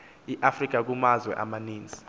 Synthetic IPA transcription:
iʔafrik̬ʼak̬umazwɛ̰ʔa̰maniːnd͡zʱi

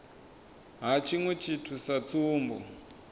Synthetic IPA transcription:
ɦat͡ʃʰiŋwɛt͡ʃʰitʰusat͡suːmbɔ̰

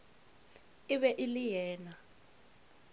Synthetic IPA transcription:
iβɛʔilijɛːna

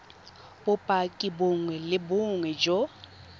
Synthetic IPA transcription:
bʊpʼakʼɪbʊŋwɛlɪbʊŋwɛd͡ʒo

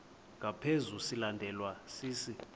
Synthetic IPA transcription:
ŋʱapʰezusilandʱɛlwasiːsi

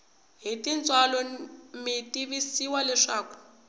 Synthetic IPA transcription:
ɦitint͡sʼwalɔmitiβisiwalɛʂaːku̥

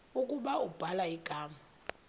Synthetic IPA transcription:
ukʼuɓaub̥ʱalaiɡ̥ʱaːma

